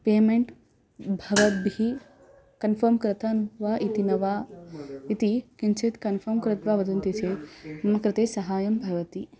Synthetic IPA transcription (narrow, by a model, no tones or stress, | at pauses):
peːmẽɳʈ | bʱɐʋɐt̪̚bi | kɐnfʰɐɾmkɾɪt̪anʋaʔit̪inɐʋa | it̪ikɪnt͡ʃʰɪt̪kɐnfʰɐɾmkɾɪt̪ʋaʋɐd̪ɐnt̪it͡ʃʰemɐkɾɪt̪eːsɐɦaːjɐmbʱɐʋɐt̪i